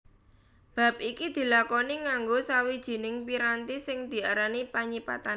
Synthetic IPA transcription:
b̥a̤p̚ikid̪̥i̤lakɔniŋaŋɡosawid̥ʒ̥i̤nɪŋpiɾant̪isɪŋd̪̥i̤aɾanipaɲipa̰t̪an

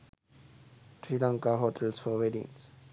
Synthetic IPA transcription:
ʈɾilãŋkaɦoːʈʰəlsfɔʋeɖḭ̃ŋs

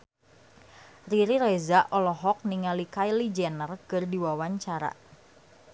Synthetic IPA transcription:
riɾiɾezaʔɔlɔɦɔk̚niŋalikajlid͡ʒɛnərkɨrdiwawaɲt͡ʃaɾa̰

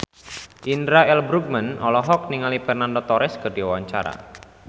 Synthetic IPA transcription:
ʔindɾaɛlbɾuɡ̚mənɔlɔɦɔk̚niŋalipɛrnandɔt̪ɔɾɛskərdiawaɲt͡ʃa̰ɾa̰

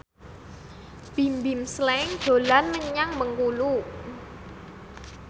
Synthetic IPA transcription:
b̥imbimslɛŋd̥o̤lanməɲaŋməŋkulu

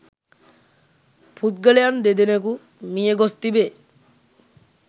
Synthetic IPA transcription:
pʰut̪̚ɡəlejand̪ed̪eneku | mijeɡost̪ibe

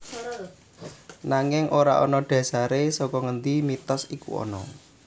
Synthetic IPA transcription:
naŋɪŋʔoɾa̰ʔɔ̰nɔɖ̥ä̤saɾesɔkɔŋənd̪imit̪ɔsikṵɔ̰nɔ

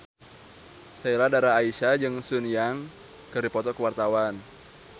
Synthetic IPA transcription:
sailadaɾaːisad͡ʒɨŋsunjaŋ | kəɾipɔt̪ɔkəwart̪awan

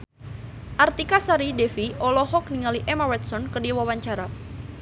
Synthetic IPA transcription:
ʔart̪ikasaɾidefiʔɔlɔhɔk̚niŋaliʔɛmawɛt̪sɔnkədiwawaɲt͡ʃaɾa

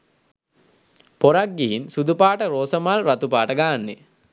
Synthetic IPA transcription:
poɾak̚ɡiɦinsud̪upaːʈəɾoːsəmalrat̪upaːʈəɡaːnːe

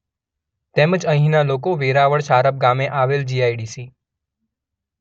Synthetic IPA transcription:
t̪eməd͡ʒəɦĩnalokoʋeɾaʋəɭʃaɾəb̚ɡamẽʔaʋeld͡ʒiajɽisi

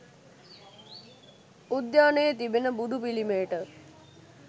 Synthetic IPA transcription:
ud̪jaːnəjət̪ibenəbud̪ʱupilimeːʈə

